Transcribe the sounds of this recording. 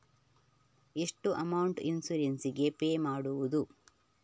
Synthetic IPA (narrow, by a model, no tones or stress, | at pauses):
eʂʈuʔɐmɐwɳʈinsuɾensiɡe̞peːmaːɽuʋud̪u